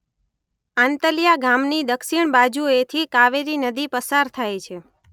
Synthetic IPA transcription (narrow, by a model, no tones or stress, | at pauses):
ant̪əlijaɡamnid̪əkʃiɳ̃bad͡ʒuet̪ʰikaʋeɾinəd̪ipəsaɾt̪ʰajt͡ʃʰe